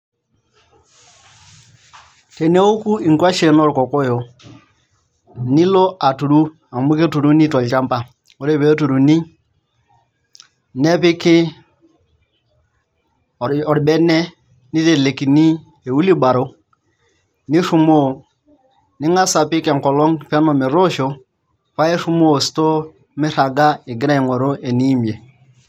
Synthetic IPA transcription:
te˨ne˦wo˦ku˦i˨ŋka˦ʃe˨no˦˨ɾko˨ko˦jo˨ | ni˦lo˦a˨tu˨ɾu˦ | a˨mu˦ke˦tu˨ɾu˦ni˦to˨lt͡ʃa˦mpa˨ | o˨ɾe˦˨be˨˦tu˨ɾu˨ni˦ | ne˦pi˦ki˦˨ | ɔ˨ɾbɛ˦ne˦ | ni˦te˨le˨ki˨ni˦ | e˨wu˦li˦ba˨ɾo˦ | ni˦ʃu˨mo˦˨ | ni˦ŋa˦sa˨pi˦ke˨ŋkɔ˨lo˦ŋpe˦mo˨mi˨ɾo˦ʃo˦ | fa˦e˦ʃu˦mo˦˨sto˦ | mi˦ɾa˨ɡa˦i˨ɡi˦ɾa˦i˨ŋo˨ɾo˦e˨ni˦mi˨e˨

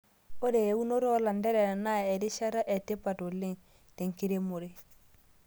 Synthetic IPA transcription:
o˦ɾe˨je˨u˦no˦ɾɔ˦la˨ndɛ˦ɾɛ˨ɾa˨na˦ɛ˨ɾi˦ʃa˦ɾa˦ʔɛ˨te˦pa˨to˨le˦ŋ | te˨ŋki˦ɾe˦mo˨ɾe˨

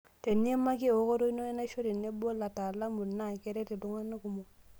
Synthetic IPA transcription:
te˨n˦e˦ma˦ɡe˦˨o˨˦ko˦ɾo˦i˦no˦e˦na˦ʃo˦ɾe˨ne˦bo˦la˨ta˨la˦mu˨lna˦˨ke˦ɾe˦te˨du˨ŋa˦nːa˦ku˨mo˨

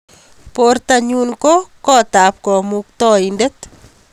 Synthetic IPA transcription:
poɾt̪aɲu˦nko˦kɔ˦t̪a˨p̚kɔ˨muk̚t̪ɔ˦inde˦t̪

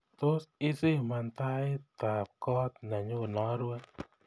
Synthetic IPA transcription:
t̪o˦sɪ˦sɪ˦˨ma˨nt̪a˦ɪ˦t̪a˨p̚kɔ˦t̪̚na˨ɲo˦˨nɔ˨˦ɾwɛ˦

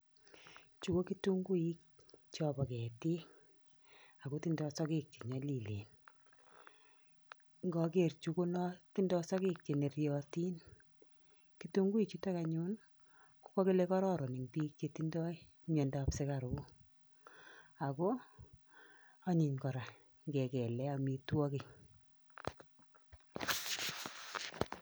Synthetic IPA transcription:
t͡ʃu˦ko˦ki˦tu˦ŋɡu˦i˦k̚ | t͡ʃɔbɔ˨kɛ˨ti˦ | a˨ko˦ti˦ndɔ˦sɔ˦ke˦k̚t͡ʃe˨ɲɔ˨˦li˨lḛː˨n | ŋɡɔke˨rt͡ʃu˨˦ko˦nɔ˦ti˦ndɔ˦sɔ˦ke˦k̚t͡ʃe˨ne˨rjɔti˦n | kitu˦ŋɡu˦i˨k̚t͡ʃu˦ta˦ka˨ɲu˦n | ku̥˦kɔ˦ke˦le˦kɔ˦ɾɔ˦ɾɔ˨nɪ˨ŋpiː˦k̚t͡ʃe˨tindɔ˦i˦ | mɛ˨nda˦psɪ˦ka˨ɾu˨˦ | a˨kɔ˦ | a˦ɲi˨ɲkɔ˨ɾa˨ | ŋɡɛ˨kɛ˨lɛ˦a˨mi˨twɔ˦ki˨

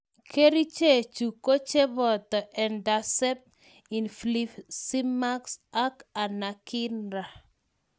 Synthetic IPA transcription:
kʰe˦ɾi˦t͡ʃe˦˨t͡ʃu˨ko˦t͡ʃe˦bɔ˨t̪ɔ˨ʔɛ˨nda˨sɛ˦p̚ | i˨nfli˦fsi˦ma˦ksa˦ka˨na˨kɪ˦nɾa˨

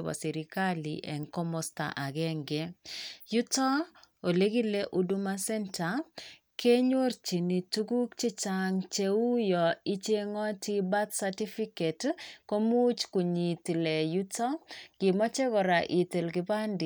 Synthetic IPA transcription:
ba̰˨si˨ɾi˨ka˦lḭ˨ʔɛ̰˨ŋkɔ˦mɔ˦sta̰˨ʔa˨ɡɛ˦ŋɡe˨ju˦tɔ˦o˨le˦ɡi˦le˦ʔu˦du˦ma˦sɛ˦nta˨ | kʰe˦ɲo˦rt͡ʃi˨ni˨tu˦ɡu˦kt͡ʃi˦t͡ʃaŋt͡ʃe˦u˦jɔ˨i˦t͡ʃe˦ŋɔ˦ti˦ba˦t̪sa˨ti˦fi˦ke˨tko˦mu˦t͡ʃku˨ɲi˨t̪i˨lɛ˨ju˦tɔ˦ɡ̥ɪ˨mɔ˦t͡ʃɛ˦kɔ˨ɾa˨ʔi˨t̪e˨lɡɪ˨ba˦nd

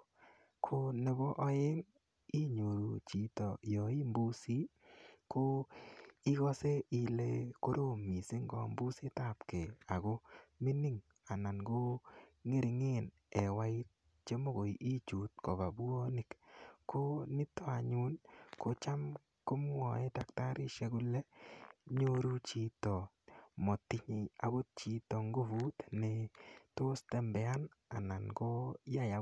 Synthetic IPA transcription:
kʰo˦ne˨bɔ˦ʔɔ˦ɪ˦ŋ | i˦ɲo˨ɾu˨t͡ʃi˨tɔ˨jɔ˨i˦mbu˦si˦ | ko˦ | i˦ɡɔ˦se˦i˨le˦ko˦ɾo˦˨mi˨se˦ŋɡɔ̰˨mbu˦si˦ta˦˨pke˨a˨ɡo˦me˦ni˦ŋ | a˨na˨nɡo˦ŋe˦ɾi˨ŋe˦˨n | ɛ˨wa˦ɪ˦t̪̚ | t͡ʃe˦mo˦ɡo˨ʔi˦t͡ʃu˨t̪kɔ˨ba˨bu˦o˦nɪ˨kko˦nɪ˦tɔ˦a˨ɲu˦nko˦t͡ʃa˦m | ko˦m˦wɔ˨ɛ˦da˨k̚ta˦ɾɪ˦ʃe˦ɡʊ˦lɛ˦ɲo˦ɾu˦t͡ʃi˦tɔ˨ | mɔ˨tːi˦ɲi˨a˨bo˦t̚t͡ʃi˦tɔ˨ŋɡo˦vu˦t̪nɛ˨to˦stɛ˦mbɛ˨a˦na˨na˨nɡo˦ja˦ja˨

